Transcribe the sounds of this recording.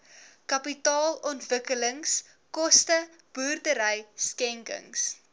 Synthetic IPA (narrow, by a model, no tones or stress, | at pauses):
kɐpitɑːlɔntvəkələŋs | kɔstə | b̥uːrdəɾəjskɛŋkə̰ŋs